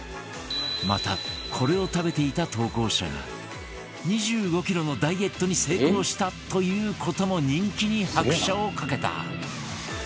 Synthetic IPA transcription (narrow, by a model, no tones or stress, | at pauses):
ma̰t̪a̰kʰo̞ɾe̞o̞t̪abe̞t̪e̞it̪at̪o̞ːko̞ːɕa̰ɡa̰ | ɲ̟iʑɨːɡo̞kʲiɾo̞no̞d̪aie̞t̪ːo̞ɲ̟ise̞ːkɯoːɕi̥t̪at̪o̞jɯ̟ːkʰo̞t̪o̞mo̞ɲ̟ĩŋkʲiɲ̟ihakɯ̟̥ɕao̞kake̞t̪a̰